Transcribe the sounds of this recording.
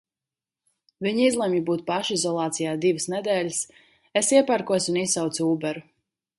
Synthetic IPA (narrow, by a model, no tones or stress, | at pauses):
viɲizlˠɛmjibuːt̪̚paʃizɔlˠaːt̪sijaːd̪ivəsnɛd̪ɛːlʲis | esiɛpaɾkuɔsunisawt̪suuːbɛɾu